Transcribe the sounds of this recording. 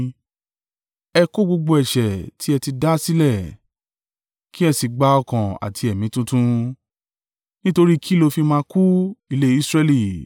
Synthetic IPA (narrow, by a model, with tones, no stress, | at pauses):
ɛ˧ko˦ɡ͡bo˧ɡ͡bo˧ɛ˨ʃɛ˨tʰi˨˦ɛ˧ti˧da˦si˦lɛ˦˨ | ki˦ɛ˧si˨ɡ͡ba˧˦ɔ˧kã˨a̰˨tʰi˧ɛ˨mĩ˨˦tũ˧tũ˧ | nĩ˦to˧ɾi˦kʰi˦lo˧fi˧mãː˧ku˦i˧le˦i˦sɾɛ˧li˦˨